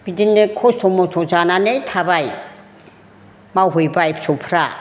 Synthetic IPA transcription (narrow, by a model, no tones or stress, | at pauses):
b̥idinːekʰɔssɔmɔsʰɔzananejtʰabaj | mawɦojbajpʰsʰɔwpʰɾa